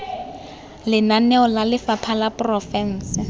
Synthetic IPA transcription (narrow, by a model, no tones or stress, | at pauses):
lɪnanɛɔlalɪfapʰalaprɔfɛn̩ːsɪ